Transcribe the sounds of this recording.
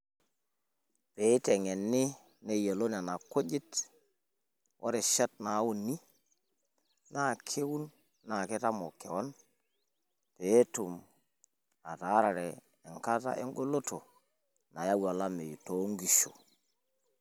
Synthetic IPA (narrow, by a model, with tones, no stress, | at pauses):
pe˨˦te˨ŋe˨nːi˦ | ne˦je˨lo˦n˨a˨na˨ko˦ɟi˦t | wʔo̰˦ɾe˨ʃa˦t̚na˨˦wu˦˨nːi˦ | na˦˨kʰe˦wu˦nː | a˨ke˦ta˦mo˨kːe˨wo˦n | pe˨˦tu˨m | a˨ta˨˦ɾa˨ɾeː˨ | ŋka˦ta̰˦ʔḛ˦ŋɡo˦lo˦to˨ | na˨ja˦wa˨la˦me˨ju˨to˦ŋɡi˨ʃu˨